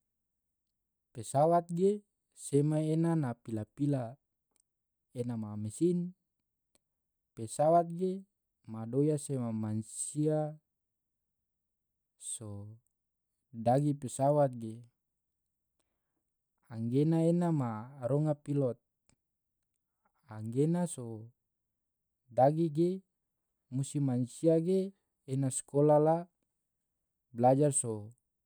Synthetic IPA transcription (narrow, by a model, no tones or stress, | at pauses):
pesawat̪̚ɡe | semaenanapilapila | enamamesin | pesawat̪̚ɡe | madojasemamansia | so | daɡipesawat̪̚ɡe | aŋɡenaenamaɾɔŋapilɔt̪̚ | aŋɡenaso | daɡiɡe | musimansiaɡeː | naskolala | blad͡ʒarso